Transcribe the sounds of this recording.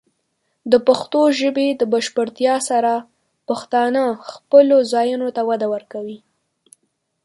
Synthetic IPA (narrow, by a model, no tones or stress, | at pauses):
d̪əpaxt̪oʒəbed̪əbaʃpəɾt̪jɑsaɾa | paxt̪ɑnəxpəlozɑjunot̪awad̪awəɾkawi